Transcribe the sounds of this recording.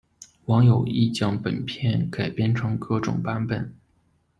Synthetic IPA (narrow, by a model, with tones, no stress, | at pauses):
wɑ˧˥ŋjo˨˩ʊi˥˩t͡ɕjɑ˥ŋpə˨˩npʰjɛ˥˩nka˨˩ɪpjɛ˥nʈ͡ʂʰɤ˧˥ŋkɤ˥˩ʈ͡ʂʊ̰˨˩ŋpa˥npə˨˩˦n